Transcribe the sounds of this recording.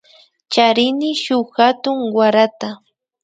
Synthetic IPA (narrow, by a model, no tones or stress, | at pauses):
t͡ʃaɾɪnɪʃʊχxat̪ʊŋwaɾat̪a